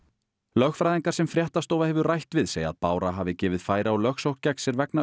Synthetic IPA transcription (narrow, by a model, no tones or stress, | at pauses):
lœxfɾajðiŋkaɾ̥sɛmfɾjɛht̪ast̪oːwvahɛvʏrajht̪vɪðseːjaa̰ðpaːwɾaɦaːvɪcɛːvɪðfaːjɾaalœxsowhkcːɛksjɛɾvɛkna